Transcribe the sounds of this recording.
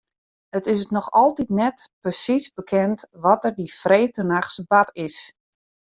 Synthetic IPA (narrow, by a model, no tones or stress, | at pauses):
ətɪsətnɔxɔlˠtitnɛtprəsisbəkʰɛntʋɔtərdifreːtənaxsbatɪs